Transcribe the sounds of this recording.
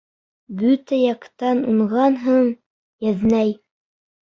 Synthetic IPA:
bɵt̪æjɑqt̪ɑnuɴʁɑnɦɤɴ | jæðnæj

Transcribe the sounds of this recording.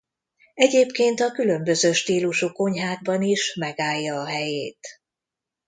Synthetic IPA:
ɛɟeːpkeːnt̪ɒkylø̞mbøzøːʃt̪iːluʃuko̞ɲɦaːd̪̚bɒniʃmɛɡaːjːɒːɦɛjeːt̪

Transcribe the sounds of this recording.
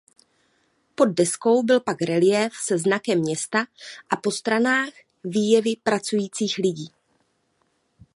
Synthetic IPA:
po̞d̚ːɛsko̞wbɪlpakɾɛlɪjɛfsɛznakɛmːɲɛst̪aʔapo̞st̪ɾanaːx | viːjɛvɪpɾat͡sujiːt͡siːxlɪɟiː

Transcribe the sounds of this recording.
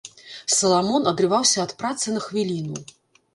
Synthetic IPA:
sɐlˠamɔnɐd̪ɾɨvawsʲɐːt̪pɾat̪sɨnɐxvʲilʲinu

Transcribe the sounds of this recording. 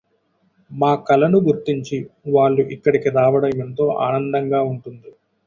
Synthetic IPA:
maːkɐlɐnuɡuɾt̪iɲt͡ʃiʋaːɭːuʔikːɐɽikiɾaːʋɐɽɐment̪o̞ːʔa̰ːnɐnd̪ɐŋɡaːuɳʈund̪i

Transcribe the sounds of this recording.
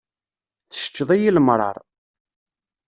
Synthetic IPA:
θə̥ʃə̥t͡ʃːəðˤijiləmɾˤɑ̰ɾˤ

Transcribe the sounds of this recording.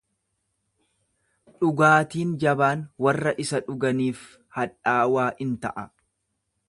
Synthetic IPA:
ᶑʊɡaːt̪iːnd͡ʒɐbaːnwɐrːɐʔɪsɐᶑʊɡɐniːf | hɐᶑaːwaːʔɪnt̪ɐʔɐ

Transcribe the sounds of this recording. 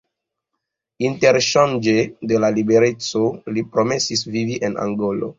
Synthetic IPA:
inte̞ɾʃand͡ʒede̞lalibe̞ɾe̞t͡so̞lipɾo̞me̞sisviviʔena̰ŋɡolo̰

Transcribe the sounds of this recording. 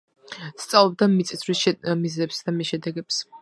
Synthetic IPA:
st̪sʼavlˠɔb̚d̪amit̪sʼisʰɾismizɛpsd̪amisʃɛd̪ɛɡɛps

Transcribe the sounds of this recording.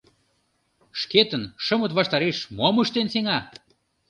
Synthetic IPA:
ʃket̪ənʃə̆mə̆t̪vɑʃt̪ɑɾeʃmoməʃt̪enseŋɑ

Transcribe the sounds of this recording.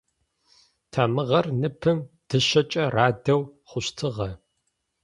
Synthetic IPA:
tʰaːmɨʁɐrnɨpʰɨm | d̥ɨʃɐt͡ʃʼɐraːdɐwχʷʊɕtʰɨʁɐ

